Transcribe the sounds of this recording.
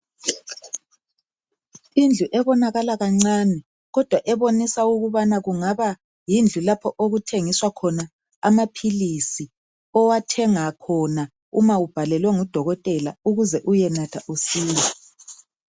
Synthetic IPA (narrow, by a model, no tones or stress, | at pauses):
ind͡ɮʱuʔɛβɔnaɣalaɣaŋ͡ǀaːnɛ | ɣɔd̥ʱwaʔɛβonisauɣuβanaɣuŋaβa | jind͡ɮʱulapʰɔʔoɣutʰeŋiswakʰɔna | amapʰilisi | ɔwatʰɛŋakʰɔna | umaub̥ʱalɛlwɛŋud̥ʱɔɣɔtʼɛlauɣuzɛʔujɛnatʰaʔusiːlɔ